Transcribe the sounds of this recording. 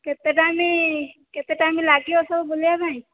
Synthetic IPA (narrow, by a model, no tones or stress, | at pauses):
ket̪eʈameket̪eʈamelaɡiɔsəbboljabʱaj̃